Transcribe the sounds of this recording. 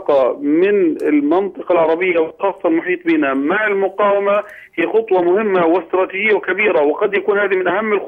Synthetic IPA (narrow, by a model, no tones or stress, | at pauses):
qɑmɪnɪlmɑnt̪ˤɨqɑlʕɑɾˤɑbɪjːawɪlxɑːsˤːɑlmʊħiːt̪ˤbiːnamaʕɪlmʊqɑːwama | hiːxʊt̪ˤwɑmʊhɪmːawɪst̪ɾˤɑːt̪iːʒɪjːawkabiːɾawɪqɑd̪jakuːnhaːðimɪnʔahamːɪlx